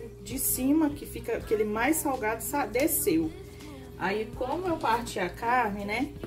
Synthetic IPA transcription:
d͡ʒɪsĩmɐkɪfikɐkɪelɪmajssawɡad̪ʊsad̪esew | aikõmʊewpaɾt͡ʃiakanɪnɛ

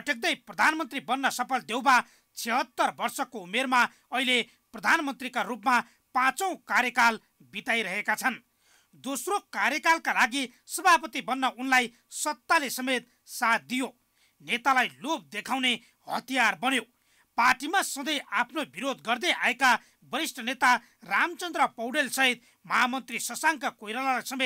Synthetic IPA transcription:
pʌʈʰek̚d̪ʌjprʌd̪ʱanmʌnt̪ribʌnːʌsʌpʰʌld̪ewba | t͡sʰeɦʌt̪ːʌrbʌrsʌkoumerma | ʌɦile | prʌd̪ʱanmʌnt̪rikarupma | pãt͡sʌ̃w̃kaɾjʌkal | bit̪ajɾʌɦekat͡sʰʌn | d̪osrokaɾjʌkalkalaɡi | sʌbʱapʌt̪ibʌnːʌunlaj | sʌt̪ːalesʌmet̪̚ | sat̪̚d̪ijo | net̪alajlop̚d̪ekʰaw̃ne | ɦʌ̰t̪ijarbʌnjo | parʈimasʌd̪ʌjapʰnobiɾod̪ɡʌrd̪ʌjaeka | bʌɾisʈʰʌnet̪a | ramt͡sʌnd̪ɾʌpʌwɽelsʌɦit̪̚ | mʌɦamʌnt̪risʌsaŋkakojɾalalajsʌmet̪̚

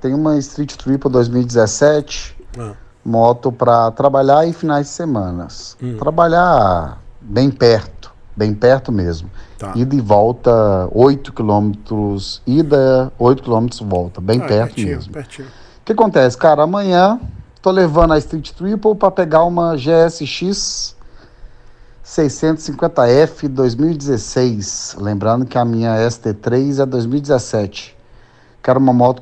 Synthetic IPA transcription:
t̪ẽj̃ũmɐɪst̪ɾit͡ʃɪ̥t̪ɾipʊd̪ojzmiwid͡ʒɪzesɛt͡ʃɪ̥ | mɔt̪ʊpɾɐt̪ɾabaʎaɪfinajzd͡ʒɪsemɐ̃nɐ̰st̪ɾabaʎa | bẽj̃pɛɾt̪ʊ̥ | bẽj̃pɛɾt̪ʊmezmʊid̪ɐɪvɔwt̪ɐojt̪ʊ̥kilõmet̪ɾʊsid̪ɐojt̪ʊ̥kilõmet̪ɾʊzvɔwt̪ɐbẽj̃pɛɾt̪ʊmezmʊ | ʊkɪakõnt̪ɛsɪ̥kaɾɐamɐ̃ɲɐ̃t̪olevɐ̃nd̪ɐɪst̪ɾit͡ʃɪ̥t̪ɾipowpɾɐpeɡaɾũmɐʒeɛsɪʃis | ejsẽt̪ʊsĩkwẽnt̪ɐɛfɪd̪ojzmiwid͡ʒɪzesejslẽmbɾɐ̃nd̪ʊkɪɐmĩɲɐɛst̪et̪ɾejzɛd̪ojzmiwid͡ʒɪzesɛt͡ʃɪ̥ | kɛɾũmɐmɔt̪ʊ

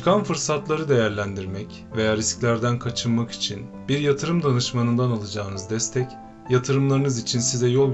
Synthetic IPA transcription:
kʰanfɯɾsat̪lˠaɾɯd̪e̞jæɾlʲænd̪iɾmɛc | ve̞jaːɾisclʲæɾd̪ænkʰat͡ʃʰɯnmaki̥t͡ʃʰinbiɾjat̪ʰɯɾɯmd̪anɯʃmanɯnd̪analˠad͡ʒaːɯnɯzd̪ɛst̪ʰɛc | jat̪ʰɯɾɯmlˠaɾɯnɯzit͡ʃʰinsizɛjolˠ

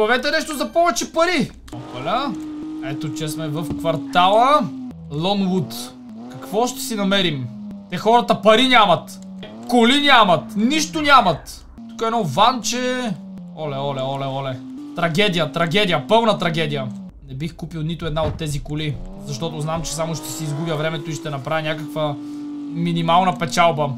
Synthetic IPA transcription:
bɐvɛt̪ɛnɛʃt̪ozɐpɔvɛt͡ʃɛpɐɾi | opɐləɛt̪ot͡ʃɛsmɛvɐfkvɐɾt̪alˠə | lˠɔnwut̪ | kɐkvɔʃt̪ɛ̥sinɐmɛɾimt̪ɛxɔɾɐt̪əpɐɾinʲamɐt̪ | kolinʲamɐt̪niʃt̪onʲamɐt̪ | t̪u̥kəɛnɔvant͡ʃɛ | ɔlɛɔlɛɔlɛɔlɛ | t̪ɾɐɡʲɛd̪ijət̪ɾɐɡʲɛd̪ʲijəpɤlˠnət̪ɾɐɡʲɛd̪ijə | nɛbixkupilˠnit̪oɛd̪naot̪ːɛzikoli | zɐʃt̪ɔt̪ʊznamt͡ʃɛ̥samʊʃt̪ɛ̥siizɡubʲjəvɾɛmɛt̪ʊiʃt̪ɛnɐpɾavʲinʲakəkvə | minimalˠnɐpɛt͡ʃalˠbə

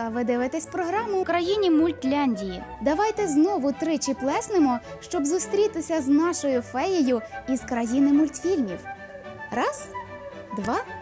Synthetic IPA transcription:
ɐʋɪd̪ɪʋɪt̪ɛsʲpɾɔɦɾɑmʊkɾɐjinʲimʊlʲt̪ʲlʲanʲdʲijḭd̪ɐʋɑjt̪ɛznɔʋʊt̪ɾɪt͡ʃiplˠɛsnɪmɔʃt͡ʃɔbzʊst̪ɾʲit̪ɪsʲɐznɑʃɔjʊfɛjɪjʊiz̥kɾɐjinɪmʊlʲt̪fʲilʲmʲiw | rɑzd̪ʋɑ

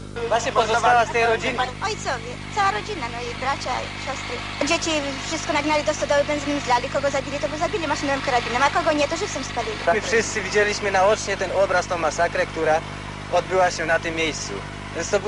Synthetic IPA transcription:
vwaɕɲɛpɔzɔsawast̪ɛjɾɔd͡ʑinɔjt̪sɔvʲjɛt̪sawaɾɔd͡ʑinamɔjibɾat͡ɕaiɕɔst̪ɾɘ | ad͡ʑet͡ɕifʂɨst̪̚kɔnaɡnalʲid̪ɔst̪ɔd̪ɔwɘbɛnznimzlalʲikɔɡɔzabʲilʲit̪ɔbɨwzabʲilʲimaʂɨnɔvɛmkaɾabʲinɔmakɔɡɔɲɛt̪ɔʐɨfsɔmspalʲilʲimfʂɘst̪sɨvʲid͡ʑelʲiɕmɘnaɔt͡ʂɲɛt̪ɛnɔbɾast̪ɔ̃w̃masakɾɛkt̪uɾa | ɔd̪̚bɘwaɕɛnat̪ɨmːjejst̪sṵ | vʲjɛnst̪ɔ

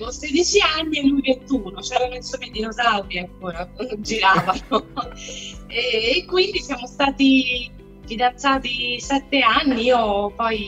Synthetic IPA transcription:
osed̪it͡ʃianːieluivent̪uːnot͡ʃɛːɾanoensomed̪inozawd̪iaŋkoːɾad͡ʒiɾaːvano | ɛːkːwind̪isjaːmost̪aːt̪i | fid̪ant̪saːt̪isɛt̪ːeanːiiːopɔj

